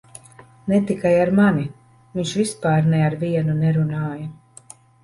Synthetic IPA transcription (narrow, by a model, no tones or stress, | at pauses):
nɛt̪ikajaɾmani | viɲʃvispaːɾnɛaɾviɛnunɛɾunaːjɐ